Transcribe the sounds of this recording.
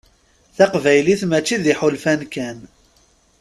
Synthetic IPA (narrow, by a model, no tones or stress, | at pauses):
θæqvæjliθmæt͡ʃːiðiħʊlfænkæn